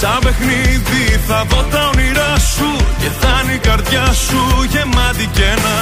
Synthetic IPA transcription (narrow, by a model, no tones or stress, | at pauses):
t̪ɐbe̞xniðiθɐðo̞t̪ɐoniɾɐsucet̪ɐnikɐɾt̪jɐsuʝe̞mɐt̪icenɐ